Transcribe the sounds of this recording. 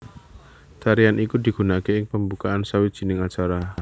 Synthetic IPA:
t̪aɾianʔikud̪i̤ɡ̥ṳnakeɪŋpəmbukaʔansawi̥ʒ̥i̤nɪŋat͡ʃaɾa

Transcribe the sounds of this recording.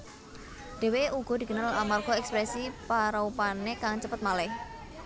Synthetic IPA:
ɖ̪̥e̤weuɡ̥ɔ̤d̥̪i̤kənalamarɡ̥ɔɛkspɾɛsipaɾaupanekaŋt͡ʃəpət̪̚malɛh

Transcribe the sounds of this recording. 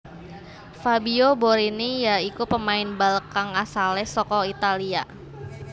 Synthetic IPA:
fabioboɾinijaikupəmaɪnbalkaŋasalɛsɔkɔit̪alia

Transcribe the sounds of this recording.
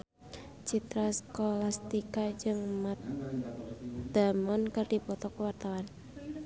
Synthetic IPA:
t͡ʃit̪ɾaskolast̪ikad͡ʒɨŋmat̪̚ | d̪̥a̤mɔnkard̥i̤pɔt̪ɔkwart̪awan

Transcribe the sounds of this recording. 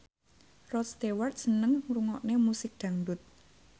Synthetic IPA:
rɔt̪st̪ewart̪̚sənəŋɾuŋɔʔnemusɪk̚d̪̥ä̤ŋdʊt̪̚

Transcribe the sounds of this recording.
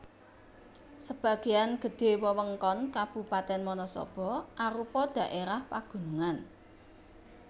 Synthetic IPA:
səb̥ä̤ɡ̥ejanɡ̥ə̤ɖ̪̥e̤wəwəŋkɔnkab̥ṳpat̪ɛnmɔnɔsɔ̰b̥ɔ̤ʔaɾupɔd̪̥ä̤ʔeɾahpaɡ̥ṳnuŋan

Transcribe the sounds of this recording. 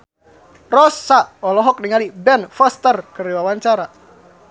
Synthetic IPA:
rɔsaɔlɔɦɔk̚niŋalibɛnfɔst̪ərkəriwawaɲt͡ʃaɾa

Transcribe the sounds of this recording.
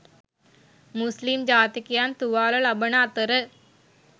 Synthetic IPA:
mʊslimd͡ʒaːt̪ikijaːnt̪uʋaːlɐlɐbɐnaːt̪ːɐɾɨ

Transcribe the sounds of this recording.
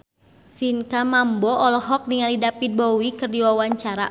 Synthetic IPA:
finkamambɔɔlɔɦɔk̚niŋalidapid̚bɔwikɨrdiwawaɲt͡ʃaɾa̰

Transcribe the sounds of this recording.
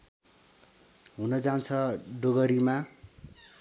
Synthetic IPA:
ɦunʌd͡zant͡sʰʌɖoɡʌɾima

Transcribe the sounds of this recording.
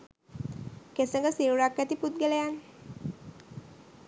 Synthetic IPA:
kesəŋɡəsiuɾakːat̪iput̪̚ɡəlejan

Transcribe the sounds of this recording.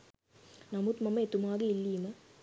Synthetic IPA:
nɐmut̪mɐmɐet̪umaːɡɐilːiːmɐ

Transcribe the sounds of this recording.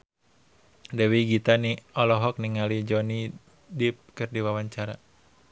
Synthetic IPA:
dɛwiɡit̪aniɔlɔɦɔk̚niŋalid͡ʒɔni | dip̚kɨrdiwawaɲt͡ʃaɾa

